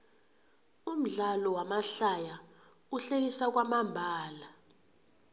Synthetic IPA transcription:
um̩ɮalɔwamaɬaja | uɬelisak̬wamambʱaːla

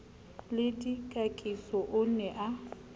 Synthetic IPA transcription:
lɪdikʼakʼisɔʔʊnɛʔa

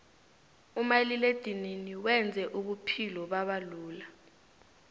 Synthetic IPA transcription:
umaliled̥ʱininiwɛnd͡zʱɛʔuɓupʰilɔɓaɓaluːla

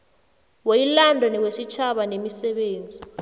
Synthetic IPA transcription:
wejilandʱɔniwesit͡ʃʰaɓanemisɛɓeːnd͡zʱi

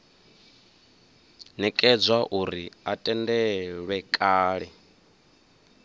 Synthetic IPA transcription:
nɛkʼɛd͡zwaʔuɾiatʼɛndɛɺwɛkʼaːɺɛ

